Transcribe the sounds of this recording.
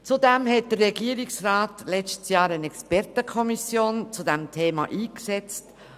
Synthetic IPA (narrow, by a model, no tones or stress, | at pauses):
t͡sudɛmhɛt̚d̥ərrɛɡiəɾiksɾɑːtlɛt͡ʃtsjɑːɾənɛkspɛɾtəkʰɔmisjoːnt͡sudɛmtʰeːmɑ̰ʔiːksɛt͡st